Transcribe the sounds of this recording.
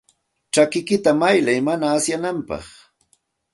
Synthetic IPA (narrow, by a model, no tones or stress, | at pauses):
t͡ʃakɪkɪt̪amajlajmanaːsjanampɑ̰χ